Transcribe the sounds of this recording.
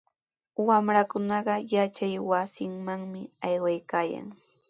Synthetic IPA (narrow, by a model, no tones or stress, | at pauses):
wamɾakʊnɑɢɑjat͡ʃajwasɪŋmaŋmɪajwajkaːja̰ŋ